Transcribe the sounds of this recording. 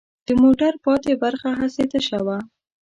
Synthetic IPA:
d̪̥əmoʈaɾpɑt̪ebaɾxaɦaset̪əʃawa

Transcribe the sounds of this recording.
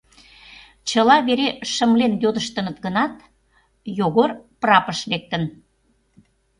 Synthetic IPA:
t͡ɕəlɑβeɾeʃə̆mlenjod̪əʃt̪ə̆nət̪ɡənɑt̪ | joɣorprɑpəʃlek̚t̪ən

